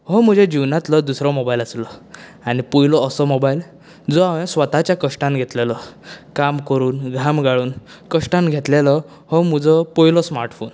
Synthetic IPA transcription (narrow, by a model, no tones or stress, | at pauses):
hɔm̤əd͡ʑed͡ʑiwnãt̪lɔd̪usɾɔmobailaslɔañipujlɔːsɔmobail | d͡zɔaʋẽsʋət̪at͡ɕjakəʂʈãnɡʱet̪lelɔkamkəɾuːnɡʱamɡaɭuːn | kəʂʈãnɡʱet̪lelɔ | hɔm̤əd͡zɔpɔjlɔsmaɾʈfoːn